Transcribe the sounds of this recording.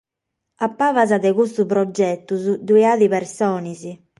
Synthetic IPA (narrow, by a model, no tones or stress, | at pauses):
apːaːvazad̪ɛɣust̪upɾɔd͡ʒːɛt̪ːuzud̪uiaːðiβɛɾsɔːnizi